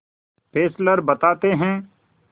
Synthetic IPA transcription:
pʰeːsləɾbət̪aːt̪eɦɛ̃ː

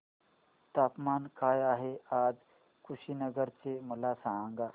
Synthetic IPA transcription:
t̪apmankajaɦead͡z | kʰuɕinəɡəɾt͡seməlasãŋɡa

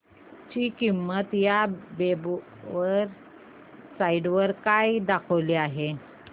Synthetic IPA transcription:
t͡ɕiːkimːət̪jabeb | ʋəɾ | saiɖʋəɾkajd̪akʰəʋleaɦe

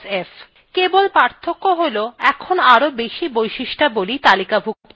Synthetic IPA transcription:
ef | kebolpaɾt̪ʰːokːoɦoloɛkʰonaɾobeʃibojʃiʃʈabolit̪alikabʱu

